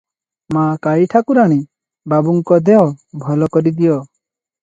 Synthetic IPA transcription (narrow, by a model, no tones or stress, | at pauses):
makaiʈʰakuɾaɽ̃i | babuŋkɔd̪eɦɔbʱɔlɔkɔɾid̪ijɔ